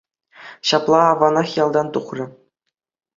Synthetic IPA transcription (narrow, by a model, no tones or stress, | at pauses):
ɕɑplˠɑɑvɑnɑχjɑlˠd̪ɑnt̪uχrʲɘ̆